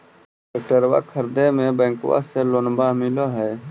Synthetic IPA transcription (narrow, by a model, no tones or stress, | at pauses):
ʈək̚ʈəɾwa̰ːkʰəɾd̪emẽbẽːŋkʋa̰selonbamɪlaɦɛː